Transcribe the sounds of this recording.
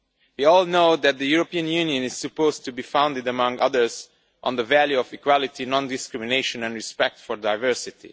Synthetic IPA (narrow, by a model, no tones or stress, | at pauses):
wiɔːlˠnoʊd̪æt̪̚d̪əjuɹopiə̃njũniə̃nɪz̥sɨpoʊztʰubiːfãw̃ndɪdəmʌ̃ŋɡʌðə˞z | ʔɔ̃nðəvæljuɔfikwalɪtinɔ̃ndɪskɹɪmineʃə̃nɛ̃nɹispɛk̚tfɔɹdaɪvɜ˞sɪtḭ